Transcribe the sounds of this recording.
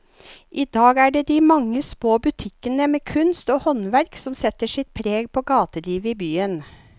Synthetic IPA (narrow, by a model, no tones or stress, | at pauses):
ʔiːd̪ɑːɡæːɖeːd̪iːmɑŋːəsmoːbʉt̪ʰɪkənəmeːkʰʉnst̪oːhɔnʋæɾksɔmsɛt̪əʂɪt̪̚pʰɾeːɡ̚pʰoːɡɑːt̪əliːʋəiːbyːən